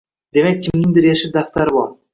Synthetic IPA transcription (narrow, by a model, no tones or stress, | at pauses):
d̪e̞mak̚ʲʰːɪmnɪŋd̪ɪɾjaʃɪd̪aft̪ʰaɾɪbɒɾ